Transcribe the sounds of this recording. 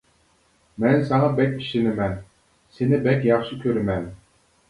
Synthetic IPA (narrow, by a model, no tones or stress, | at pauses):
mɛnsɑŋɑbɛkʲiʃɪnɪmɛn | senɪbɛkʲjɑχʃikʲʰøɾɪmɛn